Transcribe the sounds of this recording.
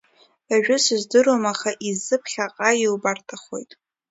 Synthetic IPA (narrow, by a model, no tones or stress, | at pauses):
aʒᶣʊsɨzdɨɾomaχaʔizɨpʰχʲaqʼailbartʰaχo̞jtʼ